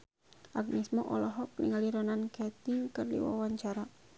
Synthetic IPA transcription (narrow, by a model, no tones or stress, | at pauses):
ʔaɡ̚nismɔʔɔlɔɦɔk̚nḭŋaliɾɔnankɛt̪ɪŋkərdḭwa̰waɲt͡ʃaɾa